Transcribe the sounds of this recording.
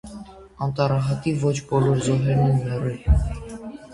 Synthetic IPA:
ɑnt̪ɑrɑɦɑt̪ivɔt͡ʃʰbɔlɔɾzɔɦɛɾnɛnmɛrɛl

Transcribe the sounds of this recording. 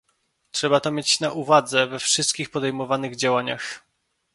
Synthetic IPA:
tʂɛbat̪ɔmʲjet͡ɕnaʔuvad̪zɛvɛfʂɘst̪̚kʲixpɔd̪ɛjmɔvanɘɣd͡ʑawaɲa̰x

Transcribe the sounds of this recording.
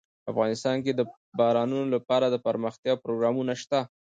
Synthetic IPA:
afɣɑnɪst̪ɑnk̬ed̪ə | bɑɾɑnunolapɑɾad̪əpəɾməxt̪jɑpɾoɡɾɑmunaʃt̪a

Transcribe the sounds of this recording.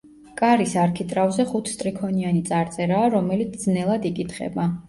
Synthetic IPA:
kʼaɾisaɾkʰit̪ʼɾavzɛχut̪ʰst̪ʼɾikʰɔnianit̪sʼaɾt̪sʼɛɾaːɾɔmɛlit̪ʰd̪znɛlˠad̪ikʼit̪ʰχɛ̰ba

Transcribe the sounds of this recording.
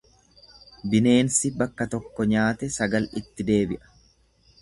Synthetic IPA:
bɪne̞ːnsɪbɐkːɐt̪ɔkːɔɲaːt̪ɛsɐɡɐlɪt̪ːɪd̪e̞ːbɪʔɐ̥

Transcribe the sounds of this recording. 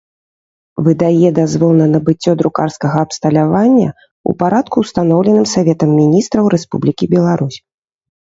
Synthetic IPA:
vɨd̪ajɛd̪azvɔlˠnɐnɐbɨt͡sʲːɔd̪ɾukarskɐɣɐːpst̪ɐlʲavanʲːɐ̰ | ṵpaɾat̪kuwst̪anɔwlʲɛnɨmsavʲɛt̪ɐmːʲinʲist̪ɾɐwɾɛspṵblʲikʲibʲɛlˠaɾusʲ

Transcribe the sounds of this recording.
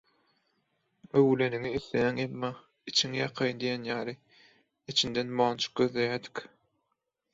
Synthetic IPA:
øwle̞niŋiθlejæŋemːɑ | it͡ʃʰiŋijɑqʰɑjnd̪ijenjɑːlˠi | it͡ʃʰind̪enmɑːnt͡ʃʰɯ̥q̚ɡ̥øðlejæɾd̪i̥k

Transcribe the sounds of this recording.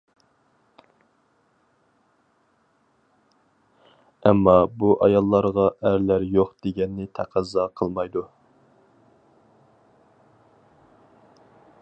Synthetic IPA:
ɛmːɑbuʔɑjɑlˠːɑɾʁɑʔæɾlæɾjoχd̪̥eɡʲɛnːɪt̪ʰæqʰæzɑqʰəlˠmɑjd̪u

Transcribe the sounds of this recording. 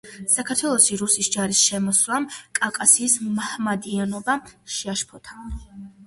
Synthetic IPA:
sakʰaɾt̪ʰwɛlˠɔsiɾusisd͡ʒaɾisʃɛmɔswamkʼakʼasiːsmahmad̪ianɔbaʃɛaʃpʰɔt̪ʰḁ

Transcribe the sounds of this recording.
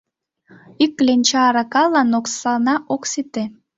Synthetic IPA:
ikːlʲenʲt͡ɕɑɾɑkɑlɑnoksɑnɑʔoksit̪e

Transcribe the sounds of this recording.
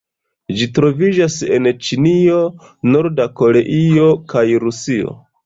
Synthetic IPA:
d͡ʒitɾo̞vid͡ʒase̞̰nt͡ʃinio̞ | noɾdako̞ɾe̞ʔio̞kajɾusio̞̰

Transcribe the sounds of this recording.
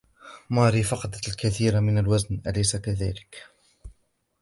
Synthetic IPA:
mɑːɾifɑqɑd̪at̪lkaθiːɾamɪnalwaznʔalajsakaðæːlɪk

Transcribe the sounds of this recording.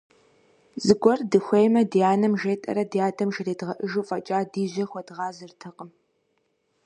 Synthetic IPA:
zɨɡʷɔrdɨxʷejmɐdjaːnɐmʒeːtʼɐ̰ɾɐdjaːdʰɐmʒɐreːdʁɐʔɨʒuːfʼɐt͡ʃʼaːdiːʑʷɐxʷɔdʁɑːzɨrtʰɨqʼəm

